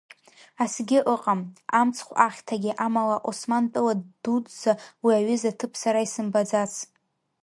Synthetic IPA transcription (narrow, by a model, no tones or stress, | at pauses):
asɡʲɪʔəqʼamamt͡sʰχʷaχʲtʰaɡʲiʔamalaʔosmantʼɨladudzawiaɥɪzatʰɨpʰsaɾaisɨmbad͡zat͡sʰ